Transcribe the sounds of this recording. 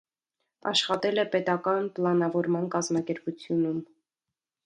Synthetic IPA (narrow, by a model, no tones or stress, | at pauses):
ɑ̰ʃχɑt̪ɛlɛpɛt̪ɑkɑnplɑnɑvɔɾmɑnkɑzmɑkɛɾput͡sʰjunum